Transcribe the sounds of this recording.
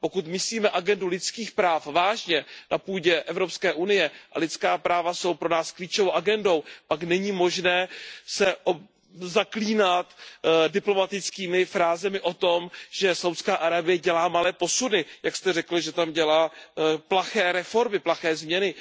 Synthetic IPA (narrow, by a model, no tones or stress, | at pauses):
po̞kut̪mɪsliːmɛʔaɡɛndulɪt͡skiːxpɾaːfvaːʒɲɛnapuːɟɛʔɛvɾo̞pskɛːʔunɪjɛʔa̰lɪt̪t͡skaːpɾaːvaso̞wpɾo̞naːskliːt͡ʃovowʔaɡɛndo̞wpaknɛɲiːmo̞ʒnɛːsɛʔo | zakliːnat̪dɪplo̞mat̪ɪt͡skiːmɪfɾaːzɛmɪʔo̞t̪o̞mʒ̥ɛsawt̪skaːʔaɾabɪjɛɟɛlaːmalɛːpo̞sunɪjakst̪ɛrɛkl̩ʒɛt̪amɟɛlaːplaxɛːɾɛfo̞ɾmɪplaxɛːzmɲɛnɪ